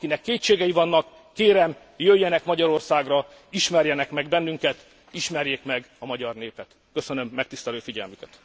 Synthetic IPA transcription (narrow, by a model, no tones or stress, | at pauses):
kinɛkːeːtt͡ʃeːɡɛjivɒnːɒkːeːɾɛm | jøjːɛnɛkmɒɟɒɾo̞rsaːɡrɒ | iʃmɛrjɛnɛkmɛɡbɛnːyŋkɛt̪ | iʃmɛrjeːkmɛɡɒmɒɟɒrneːpɛt̪ | kø̞sønø̞mːɛk̚t̪ist̪ɛløːfiɟɛ̰lmykɛt̪